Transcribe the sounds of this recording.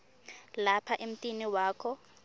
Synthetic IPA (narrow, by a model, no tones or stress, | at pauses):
lapʰaʔem̩tʼiniwaːkʰɔ